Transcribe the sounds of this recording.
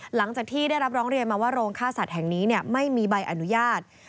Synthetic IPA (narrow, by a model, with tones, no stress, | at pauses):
la˩˦ŋt͡ɕaː˨˩k̚t̪ʰiː˥˩da˥˩jɾa˦˥p̚ɾɔː˦˥ŋɾi˧ənmaː˧waː˥˩ɾoː˧ŋkʰaː˥˩sa˨˩t̪̚hɛ˨˩ŋniː˦˥ni˥˩ɐma˥˩jmiː˧ba˧jʔa˧nu˦˥jaː˥˩t̪̚